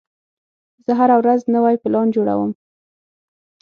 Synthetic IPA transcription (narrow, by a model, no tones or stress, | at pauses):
z̥əɦaɾawɾaznəwajpɪlɑnd͡ʒoɽa̰wəm